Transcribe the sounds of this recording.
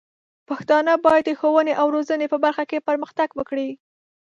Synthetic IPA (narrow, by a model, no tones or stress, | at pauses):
paxt̪ɑnəbɑjad̪dəxowəneʔawɾozənepəbaɾxakepəɾməxt̪aɡwəkɽi